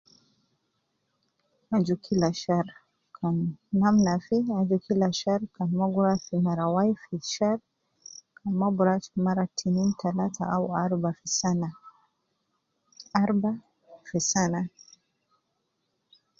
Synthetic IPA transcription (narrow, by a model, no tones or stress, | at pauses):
ad͡ʒukʰilaʃaɾ | kʰanamnafiad͡ʒukʰilaʃaɾkanmɔɡuɾafimaɾawajfiʃaɾ | kʰamabuɾaʃimaɾatʰinintʰalatʰa̰ʔauaɾbafisana | aɾba | fisana